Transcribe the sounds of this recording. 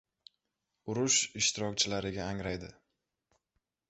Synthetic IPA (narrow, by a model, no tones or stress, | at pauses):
ʊɾʊʃɪʃt̪ʰɪɾɒk̚ʲt͡ʃʰɪlaɾɪɡʲaːŋɾajd̪ɪ